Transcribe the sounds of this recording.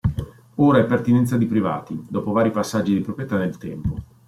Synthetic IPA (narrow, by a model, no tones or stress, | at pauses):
oːɾaɛpːert̪inɛnt̪sad̪ipɾiva̰ːt̪id̪ɔːpovaːɾipasːad͡ʒːid̪ipɾopɾjet̪anːelt̪ɛmpo